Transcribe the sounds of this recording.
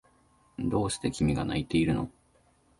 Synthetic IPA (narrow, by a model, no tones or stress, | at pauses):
d̪o̞ːɕi̥t̪e̞kʲimʲiɡa̰na̰it̪e̞iɾɯ̟no̞̰